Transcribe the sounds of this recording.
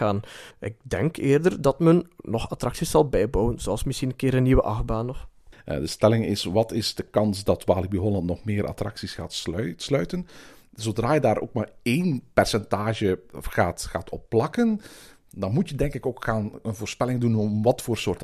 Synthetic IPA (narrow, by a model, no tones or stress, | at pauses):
aːnʔɪ̰k̚dɛŋkʰeːrdərdɑtmənnɔxɑtrɑksiszɑlˠbɛjbɔwənzoɑlˠsmɪsxinənkɪːɾənːiwəʔɑxbaːnɔfdəstɛlɪŋɪsʋɑtɪzdəkɑnsdɑtʋaːlibiɦɔlɑntnɔχmɪːɾʔɑ̰trɑ̰ksisxaːtsœslœɥtən | zodraːjədaːɾʔo̰ːk̚maːrejnpɛrsɛntaːʒəxaːtxaːtɔpːlɑkən | dɑnmutjədɛŋkɪkoːkxaːnənvoːrspɛlɪŋdunɔmʋɑtfoːrsoːrt